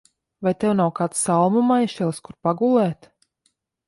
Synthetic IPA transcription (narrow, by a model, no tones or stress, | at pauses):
vajt̪ɛwnawkaːt̪salˠmumajʃɛlˠskuɾpaɡulˠɛːt̪